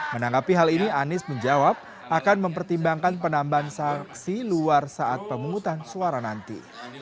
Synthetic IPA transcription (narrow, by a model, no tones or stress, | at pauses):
mənaŋɡapiɦalinianɪsməɲd͡ʒawap̚ | ʔakanməmpərt̪imbaŋkanpənambaansaksiluarsaʔat̪̚pəmuŋut̪ansuaɾanant̪ḭ